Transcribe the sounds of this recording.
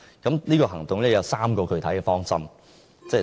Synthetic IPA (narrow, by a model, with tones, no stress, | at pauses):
kɐ˨˥mniː˥kɔː˧ɦɐ˨˩ŋt̪ʊ˨ŋlɛː˥˩jɐ˨˧wsaː˥mkɔː˧kʰɵ˧ɥt̪ʰɐ˨˥jkɛː˧˩fɔː˥ŋsɐ̰˥m | t͡sɛː˥˩